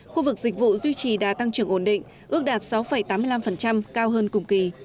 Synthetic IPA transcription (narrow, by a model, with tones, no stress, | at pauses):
xu˧vɨ˨˩k̚zï˨˩k̟̚vṵ˧˨zwi˧t͡ɕi˨˩ɗaː˨˩t̪a˧ŋt͡ɕɨ˨˩əŋʔo˧˩nɗḭ˧˨ŋ̟ʔʔɨ˦˥ək̚ɗaː˨˩t̚sa˨˦wfə˨˩jt̪aː˨˦mɨ˧jla˧mfə˨˩nt͡ɕa˧mkaː˧wɦəː˧nkʊ˨˩ŋ͡mki˨˩